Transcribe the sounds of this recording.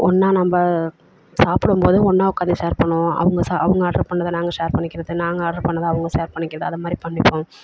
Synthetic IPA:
ɔnːaːnɐmbɐ | saːpɪɽɯmpoːðɯɔnːaːʊkːaːd̪ɐseːɐɾpɐɳːʊ̃ɐ̰ʋɯŋɡɐsaɐ̰ʋɐŋɡɐːɖɐɾpɐɳːɐðɯnaːŋɡɐʂeːɾpɐɳːɪkːɪɾɐðɯnaːŋɡɐɐːɖɐɾpɐɳːɐðaːɐʋɯŋɡɐseːɾpɐɳːɪkːɪɾɐðɯɐðɐmaːd̪ɾipɐɳːɪpːõː

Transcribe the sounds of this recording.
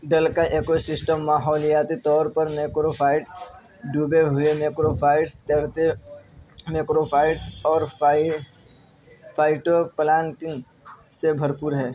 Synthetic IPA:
ɖəlkaʔeːkosɪsʈəmːaːɦɔːljaːt̪it̪ɔːɾpəɾmeːkɾopʰaːɪʈs | ɖubeɦʊemeːkɾopʰaːɪʈst̪eɽt̪e | meːkɾopʰaːɪʈsɔːɾ | pʰaːɪʈoplãːɳʈɪn | sebʱɐɾpʊːɾɦɛː

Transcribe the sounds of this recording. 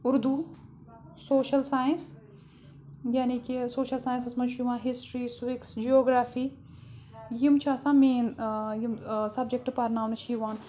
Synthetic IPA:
ʊɾd̪uː | soːʃɐlsaːjins | jaːniːkisoːʃɐlsaːj̃nsɪsmɐnʃumãːɦɪsʈɾiːswɪksd͡ʒioːɡɾaːfiː | jimt͡ʃʰaːsãːmẽːnjimsɐb̚d͡ʒek̚ʈpɐɾnaːwnɐʃʰiːʋaːn

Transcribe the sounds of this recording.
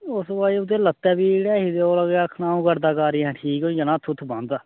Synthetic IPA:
ʊsbaːiːʊt̪ːeːlət̪ːɛːbiːɽɛːɦiːd̪eoːləɡaːkʰnãːũːkəɾd̪aːkaːɾiːɛ̃ːʈʰiːkõjənãːt̪ʰʊt̪ʰbə̃nd̪

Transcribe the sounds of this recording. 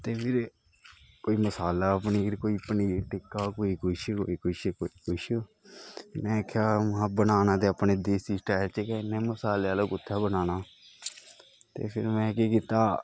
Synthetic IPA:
t̪eːpʰɪɾ | koːiːməsaːlaːəpniːɾkoːiːpəniːʈɪkːaːkoːiːkʰʊʃko̰ːiːkʰʊʃkoːiːkʊʃ | mɛ̃ːkʰjaːmɦãːbənaːnãːt̪eːapneːd̪eːsiːsʈaːɪlt͡ʃekɛɪnːẽːməsaːleːaːloːkʊt̪ʰːaːbənaːnaː | tt̪ḛːpʰɪɾmɛ̃ːkeːkiːt̪aː

